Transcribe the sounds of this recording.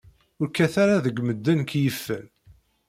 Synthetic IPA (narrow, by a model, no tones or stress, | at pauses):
ʊɾkːæθaɾaðəɡʷməd̪ːənkjəfːə̰n